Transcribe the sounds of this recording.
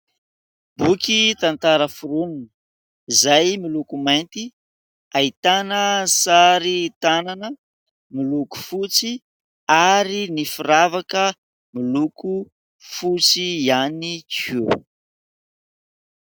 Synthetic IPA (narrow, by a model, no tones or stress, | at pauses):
b̥ukʲit̪ant̪aɾəfuɾuninə̥ | izajmilukumajnt̪i | ait̪anəsaɾit̪ananə | miluku̥fut͡si | aɾinifuɾavakə | miluku | fut͡sianikʰu